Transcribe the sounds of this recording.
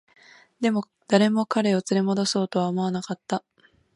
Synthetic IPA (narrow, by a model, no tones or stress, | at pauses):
d̪e̞mo̞ | d̪̥aɾe̞mo̞kaɾe̞o̞t͡sɨɾe̞mo̞d̪o̞so̞ːt̪o̞βaomo̞anakat̪ːa